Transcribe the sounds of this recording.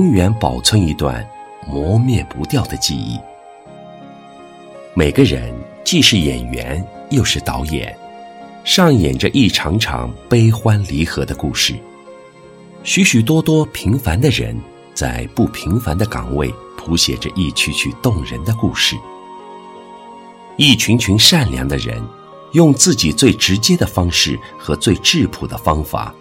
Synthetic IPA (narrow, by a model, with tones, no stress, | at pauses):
ʊ˥ŋɥɛ˧˥npɑ˨˩ʊt͡sʰwə˥ŋi˧˥t̪wa̰˥˩nmwɔ˧˥mjɛ˥˩pu˧˥t̪jɑ˥˩ʊd̪ə˩t͡ɕi˥˧ḭ˥˩ | me˨˩ɪɡə˦ɻə̰˧˥n | t͡ɕi˥˧ʂɻ̩˥˩jɛ̰˨˩nɥɛ̰˧˥njo˥˧ʊʂɻ̩˥˩t̪ɑ˧˥ʊjɛ̰˨˩˦n | ʂɑ˥˩ŋjɛ̰˨˩nʈ͡ʂə˦ʔi˥˩ʈ͡ʂʰɑ˧˥ŋʈ͡ʂʰɑ̰˧˥ŋpe˥ɪxwa˥nli˧˥xɤ˧˥d̪ə˧ku˥˧ʂɻ̩˥˩ | ɕy˧˥ɕy˨˩t̪̬wɔ˥t̪wɔ˥pʰi˧˥ŋfa˧˥nd̪ə˧ɻə̰˧˥n | t͡sa̰˥˧ɪpu˥˩pʰi˧˥ŋfa̰˧˥nd̪ə˧kɑ̰˨˩ŋwe˥˩ɪ | pʰu˧˥ɕjɛ̰˨˩ʈ͡ʂə˦ʔi˥˩t͡ɕʰy˧˥t͡ɕʰy˥˧t̪ʊ˥˩ŋɻə̰˧˥nd̪ə˧ku˥˧ʂɻ̩˥˩ | i˥˩t͡ɕʰy˧˥nt͡ɕʰy˧˥nʂa˥˩nljɑ̰˧˥ŋd̪ə̰˧ɻə̰˧˥n | jʊ˥˧ŋt͡sɹ̩˥˩t͡ɕi˨˩t͡swe˥˩ɪʈ͡ʂɻ̩˧˥t͡ɕjɛ˥d̪ə˨fɑ˥ŋʂɻ̩˥˩ | xɤ˧˥t͡swe˥˧ɪʈ͡ʂɻ̩˥˩pʰu˨˩d̪ə˦fɑ˥ŋfa̰˨˩˦